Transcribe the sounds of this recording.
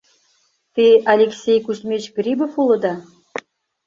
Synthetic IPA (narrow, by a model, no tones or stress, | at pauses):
t̪ealʲeksʲejkusmʲet͡ɕɡrʲibofulˠɤ̆d̪ɑ